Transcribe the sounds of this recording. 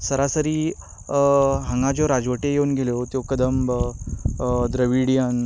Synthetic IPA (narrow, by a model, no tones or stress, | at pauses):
səɾasəɾiː | ɦə̃ŋɡãd͡ʑoɾad͡zʋəʈejeunɡʱelot̪jokəd̪əmb | d̪ɾəʋiɽijan